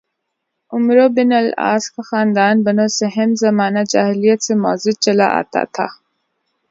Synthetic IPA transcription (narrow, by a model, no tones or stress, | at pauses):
ʊmɾobɪnɐla̰ːskaxaːnd̪aːnbɐnosɐɦemzɐmaːnad͡ʒaːɦilijət̪sema̰ːzɪt͡ʃɐlaʔa̰ːt̪a̰t̪ʰa̰